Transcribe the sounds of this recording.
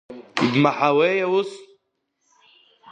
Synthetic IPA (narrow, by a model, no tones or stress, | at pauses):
id̪maħaweːjawʊs